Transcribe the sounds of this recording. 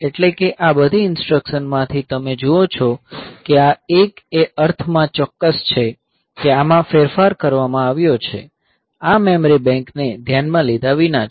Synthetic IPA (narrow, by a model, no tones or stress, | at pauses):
eʈlekeʔabəd̪ʱiɪnsʈɾəkʃənmãt̪ʰit̪əmed͡ʒuot͡ʃʰɔkeaekeəɾt̪ʰmãt͡ʃɔkːəst͡ʃʰe | keamãfeɾfaɾkəɾʋamãaʋjot͡ʃʰḛ | amemɾibɛ̃ŋkned̪ʱjanmãlid̪ʱaʋina